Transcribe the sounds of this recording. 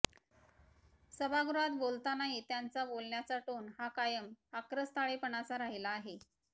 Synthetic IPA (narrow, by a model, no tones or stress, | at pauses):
səbʱaɡɾuat̪bolt̪anaɦit̪jant͡sabolɳjat͡saʈoːnhakajəməkɾəst̪ʰaɭepəɳat͡saɾaɦilaːɦe